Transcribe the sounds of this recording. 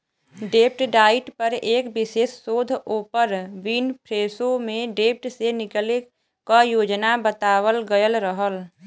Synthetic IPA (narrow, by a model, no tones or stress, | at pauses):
ɖeːp̚ʈɖaːɪʈpəɾeːkbɪʃeːsːoːd̪ʱoːpəɾʋiːnpʰɾeːsomẽɖeːp̚ʈsenɪkəle | kajoːd͡ʒnabət̪aːwəlɡəjəlɾəɦəl